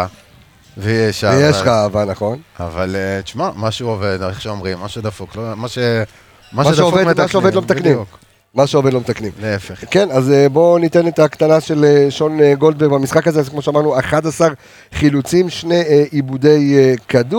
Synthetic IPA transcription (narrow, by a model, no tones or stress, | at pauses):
a | vejeʃaejeʃʁaːvanaχo̞na̰va̰let͡ʃmamaʃuoved̪eχʃeomʁimːaʃud̪afuklomaʃe | maʃmaʃovdemaʃeovdlomet̪aknimk | maʃeo̞ve̞d̪lo̞met̪aknimleefeχke̞nazebo̞nit̪e̞net̪akt̪anaʃe̞leʃo̞neɡo̞ld̪beʁbamisχakazekmoʃeamaʁnuaχadasaʁ | χilut͡simʃne̞ʔibud̪e̞jekadu